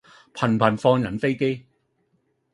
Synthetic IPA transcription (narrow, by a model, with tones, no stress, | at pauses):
pʰɐ˨˩npʰɐ˨˩nfɔː˧ŋjɐ˨˩nfe˥jke˥j